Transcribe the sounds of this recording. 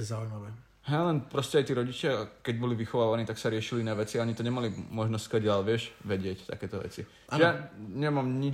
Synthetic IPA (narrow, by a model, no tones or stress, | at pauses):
zaujmaʋɛ | ɦɛlɛnpɾɔscɛajt̪iːɾɔɟit͡ʃɪakɛɟ̚bɔliʋixɔʋaːʋaniːt̪aksaɾɪɛʃiliinɛːʋɛt͡siaɔɲit̪ɔɲɛmalimɔʒnɔst̪ʲsklɛɟialɛʋɛʃʋɛɟɪɛct̪a̰kɛːt̪ɔʋɛ̰t͡si | aʒɛaɲɛmamɲi